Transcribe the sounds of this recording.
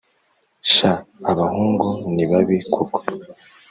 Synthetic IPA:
ʃaːβahuːŋɡuniβaβikʰukʰo̥

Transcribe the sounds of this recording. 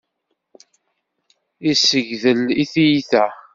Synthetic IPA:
isəʝðəliθijiθæ

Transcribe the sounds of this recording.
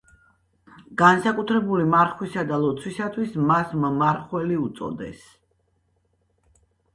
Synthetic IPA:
ɡ̥ansakʼut̪ʰɾɛbulimaɾχwisad̪alˠɔt̪sʰwisat̪ʰwismasmmaɾχwɛliut̪sʼɔ̰d̪ɛ̰s

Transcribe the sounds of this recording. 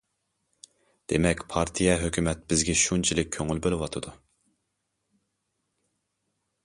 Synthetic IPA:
d̪̥emɛkʲpʰɑɾt̪ʰijɛɦøkʲymɛt̪̚bɪzɡʲɛʃunt͡ʃʰilɪk̚ʲʰːøŋylbølˠɪwɑt̪ʰɨd̪u

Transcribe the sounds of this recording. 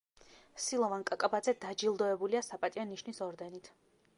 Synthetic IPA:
silˠɔvankʼakʼabad̪zɛd̪ad͡ʒilˠd̪ɔɛbuliasapʼat̪ʼianiʃnisɔɾd̪ɛnit̪ʰ

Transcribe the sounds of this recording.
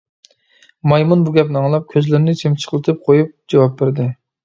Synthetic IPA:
mɑjmunbuɡʲɛpnɑŋlˠɑp̚kʲʰøzlɪɾnɪt͡ʃʰemt͡ʃʰə̥χʰəlˠɨt̪ʰɨp̚qʰojup̚d͡ʒɑwɑp̚bɪɾd̪ɪ

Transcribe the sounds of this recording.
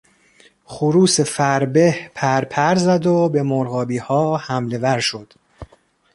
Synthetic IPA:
χuɾuːse̞fæɾbehpʰæɾpʰæɾzæd̪obe̞moɾɣɒːbiːhɒːhæmle̞væɾʃo̞d̪̥

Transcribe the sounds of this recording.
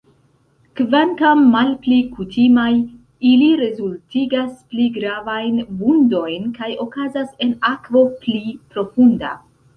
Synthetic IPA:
kvantamːalplikutimaj | iliɾe̞zultiɡaspliɡɾavajnbundo̞jnkajo̞kazase̞nakvo̞plipɾo̞funda̰

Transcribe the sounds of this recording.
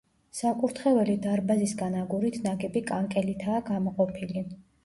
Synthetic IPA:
sakʼuɾt̪ʰχɛvɛlid̪aɾbazisɡanaɡuɾit̪ʰnaɡɛbikʼaŋkʼɛlit̪ʰaːɡamɔqʼɔpʰili

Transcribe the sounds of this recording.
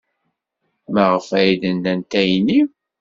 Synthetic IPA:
mæʁəfæjid̪ənd̪ænt̪æjni

